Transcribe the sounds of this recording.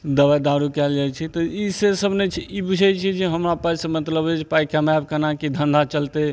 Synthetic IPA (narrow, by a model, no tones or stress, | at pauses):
d̪əʋad̪aɾukɛld͡ʒajt͡ʃʰɛt̪ɔisesəbʱnet͡ʃʰiibud͡ʒʱɛt͡ʃʰid͡ʒeɦəmɾapasə̃mət̪ləbet͡ʃʰpajkamab̚kənakid̪ʱə̃nd̪ʱat͡ʃəlt̪e